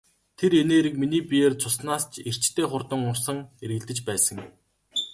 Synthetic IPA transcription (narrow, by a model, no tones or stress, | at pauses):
t̪ʰeɾeneːɾɘ̆k̚miniːpijeːrt͡sʰʊsnaːst͡ɕʰer̥t͡ɕt̪ʰeːχʊrt̪ə̆ŋʊrsə̆ŋeɾɣɘ̆ɮt̪ɘ̆t͡ɕpæːsə̆ŋ